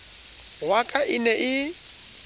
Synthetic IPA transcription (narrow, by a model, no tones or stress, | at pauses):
wakʼaʔɪnɛʔɪ